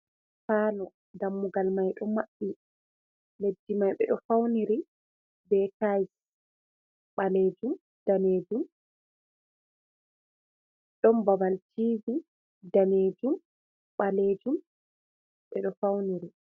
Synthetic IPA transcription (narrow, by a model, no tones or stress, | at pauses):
faːlɔ | damːuɡalmajɗɔmaɓːi | ledːimajɓɛ̰ɗɔfawniɾi | bɛtajs | ɓaleːd͡ʒum | d̥aneːd͡ʒum | ɗɔmbabaltʰiːvi | daneːd͡ʒum | ɓaleːd͡ʒum | ɓɛɗɔfawniɾi